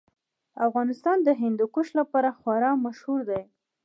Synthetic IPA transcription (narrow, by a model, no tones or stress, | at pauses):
afɣɑnɪst̪ɑnd̪əɦɪnd̪ukoʃlapɑɾaxwaɾɑmaʃhuɾd̪aj